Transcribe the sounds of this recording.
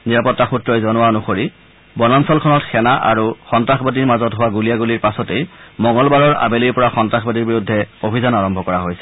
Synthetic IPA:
niɹapɔtːaxutɹɔjzɔnʊwanʊxoɹi | bɔnansɔlkʰɔnɔtxɛnaʔa̰ɹuxɔntɹaxbadiɹmazɔtɦʊwaɡulijaɡuliɹpasɔtejmɔŋɡɔlbaɹɔɹa̰beliɹpɔɹaxɔntɹaxbadiɹbiɹudʱːɛobʱizɔnaɹɔmbʱɔkɔɹaɦojsɛ

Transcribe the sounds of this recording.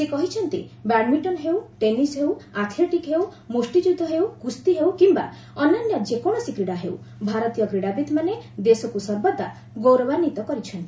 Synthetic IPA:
sekɔɦit͡ʃʰɔnt̪ḭbaɽmĩɳʈɔnɦewʈenisɦewat̪ʰleʈikɦew | musʈid͡ʒud̪ʱːɔɦewɡust̪iɦewkimba̰ | ɔnɔnjɔd͡ʒekɔɽ̃ɔsikɾiɽaɦeuw | bʱaɾɔt̪ijɔɡɾiɽabit̪maned̪esɔkusɔɾbɔd̪a̰ | ɡowɾɔbanit̪ɔkɔɾit͡ʃʰɔnt̪i

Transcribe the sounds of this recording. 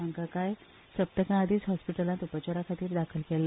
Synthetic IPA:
aŋkakaj | səp̚t̪əkãad̪ʱiːt͡sɦɔspiʈəlãnt̪upat͡ɕəɾakʰat̪iːɾd̪akʰəlkel

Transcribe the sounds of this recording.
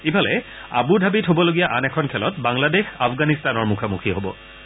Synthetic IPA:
ibʰʱalɛ̰ | a̰budʱabitɦobɔloɡijaʔanɛkʰɔnkʰɛlɔtbaŋladexapɡanistanɔɹmukʰamukʰiɦobɔ

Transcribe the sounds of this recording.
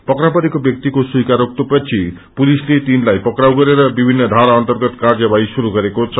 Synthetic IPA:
pʌkɾapʌɾikobjʌk̚t̪ikosujkaɾok̚t̪opʌt͡sʰi | pulislet̪inlajpʌkɾawɡʌɾeɾʌbibʱinːʌd̪ʱaɾaʌnt̪ʌrɡʌt̪kard͡zʌbajsuɾuɡʌɾekot͡sʰʌ

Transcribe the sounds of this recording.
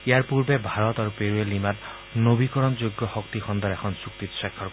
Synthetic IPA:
eaɾpuɾbebʱaɾɔt̪aɾupeɾuelimat̪ | nobikɔɾɔnd͡ʒoɡːɔhɔkt̪ixʰɔnd̪ɔɾekʰɔnsukt̪it̪sakʰːɔɾk

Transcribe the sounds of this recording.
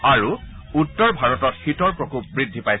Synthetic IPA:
aɹu | utːɔɹbʱaɹɔtɔtxitɔɹpɹɔkup̚bɹidʱːipaj

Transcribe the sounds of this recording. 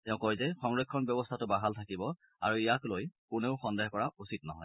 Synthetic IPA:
tɛʊ̃kɔjzɛxɔŋɹekʰːɔnbjɔbɔstʰatʊbaɦaltʰakibɔ | a̰ɹuijaklojkʊneʊxɔndeɦkɔɹaʔusitnɔ̰ɦɔj

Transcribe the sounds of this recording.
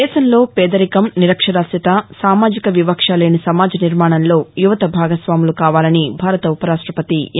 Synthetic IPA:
ɛːʃɐmlo̞ːpɛːd̪ɐɾikɐmniɾɐkʂɐɽaːsit̪asaːmaːd͡ʒikɐʋiʋɐkʂaːleːnisɐmaːd͡ʒɐniɾmaːɳɐnlo̞ːjuʋɐt̪ɐbʱaːɡɐsʋaːmulukaːʋaːlɐnibʱaːɾɐt̪ɐupɐɾaːʂʈɾɐpɐt̪i

